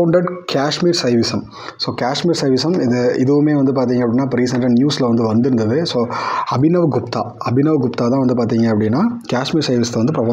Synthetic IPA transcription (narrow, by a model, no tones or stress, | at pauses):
ɳɖɐɖkaːʂmiːɾsɐɪʋɪsɐm | soːkaːʂmiːɾsɐɪʋɪsɐmɪðɐɪðɯʋɯmeːʋɐnd̪ɯpaːɾt̪̬iːŋɡɐpːɐɽɪnːaːpːɐɾiːsɐɳɖɐnnjuːsɪlɐʋɐnd̪ɯʋɐnd̪ɪɾɯnd̪ɐðɯsoːɐbɪnɐʋɡʊp̚t̪a̰ː | ɐbɪnɐʋɡʊpt̪aːt̪ãːʋɐnd̪ɯp̬aːɾt̪̬iːŋɡɐɐpːɐɽɪnːaːkaːʂmiːɾsɐɪʋɪsɐt̪ːɐʋɐnd̪ɯpɾɐfɐ